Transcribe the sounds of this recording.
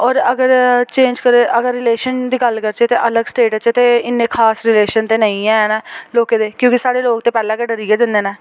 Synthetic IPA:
ɔːɾəɡəɾt͡ʃẽːnd͡ʒkəɾeːʔəɡəɾːɪleːʃənd̪iːɡəlkəɾt͡ʃet̪eːʔələɡsʈeːʈt͡ʃet̪eːɪnːẽːkʰaːsɾɪleːʃənt̪eːnəĩːɛ̃ːɦɛːnɛːloːkẽːd̪eːkjõːkisaːɽeːloːk̚t̪eːpɛːlãːkeːɖəɾiːeːd͡ʒə̃nd̪eːnɛː

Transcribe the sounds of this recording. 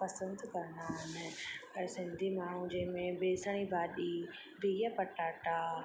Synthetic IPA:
pɐsə̃nd̪kɐɾnaɦɪnɪɐsɪ̃nd̪ʱimaːũd͡ʑeɦmẽbeːsəɽ̃ibaːɗi | bʱijɐpɐʈaːʈa

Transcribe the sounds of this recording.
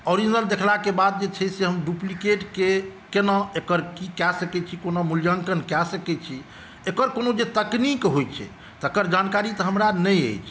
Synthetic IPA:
ɔɾid͡ʒnəld̪ekʰlakebad̪̚d͡ʒet͡ʃʰɛseɦəmɖuplikeʈkekenaekəɾkikɛsəkɛt͡ʃʰikonamuljəŋkənkɛsəkɛt͡ʃʰi | ekəɾkonod͡ʒet̪əknikɦojt͡ʃʰɛ̰ | t̪əkəɾd͡ʒankaɾit̪əɦəmɾanəjə̰jt͡ʃʰ

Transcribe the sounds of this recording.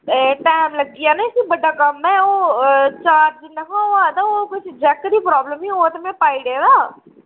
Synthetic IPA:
ʈɛːmləɡianaɪsibəɖaːkəmːɛ̃ːoːt͡ʃaːɾd͡ʒnɛkãaːd̪aːoːkʊt͡ʃʰd͡ʒɛːkːəɾiːpɾɔːbləmioːt̪mɛ̃paːiɽeːd̪aː

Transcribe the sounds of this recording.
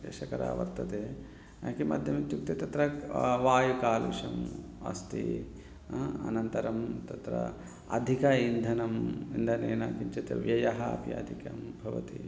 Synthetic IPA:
jɐ̰ʃɐkɐɾa̰ːʋɐ̰ɾt̪ɐt̪eː | akimɐ̰d̪ʱjɐmit̪juk̚t̪et̪ɐt̪ɾɐʋaːjukaːlʋḭʂɐm | ɐ̰st̪ḭ | ɐ̰nɐnt̪ɐɾɐmt̪ɐt̪ɾɐ̰ | ɐd̪ʱikɐind̪ʱɐnɐmind̪ʱɐneːna̰ːkiɲt͡ʃɐt̪ɐ̰ʋjɐjɐɦɐɐ̰piɐ̰d̪ʱikɐmbʱɐʋɐ̰t̪i

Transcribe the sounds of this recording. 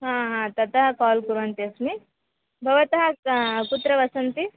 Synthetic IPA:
ɦãːɦãːt̪ɐt̪ɐɦɐkaːlkuɾʋɐnt̪iɐsmi | bʱɐʋɐt̪ɐɦɐkut̪ɾɐʋɐsɐnt̪i

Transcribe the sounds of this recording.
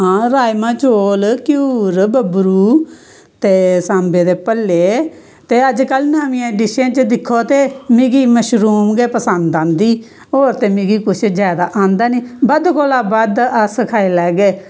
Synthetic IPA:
ɦãːɾaːjmãːt͡ʃoːlkjuːɾbəbɾuː | t̪eːsãːmbeːd̪eːpəlːeː | t̪eːəd͡ʒkəlnaːmĩːãːɖɪʃẽːt͡ʃəd̪ɪkʰːoːt̪eːmɪɡiːməʃɾuːmɡeːpəsənd̪ãːnd̪iː | oːɾt̪eːmɪɡiːkʊt͡ʃʰd͡ʒjaːd̪aːʔãːnd̪aːniːbəd̪koːlaːbaːd̪əsəkʰaːeːlɛːɡeː

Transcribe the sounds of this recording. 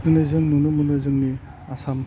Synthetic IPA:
mɯnɯzɯŋnunɯmunɯzɯŋni | asam

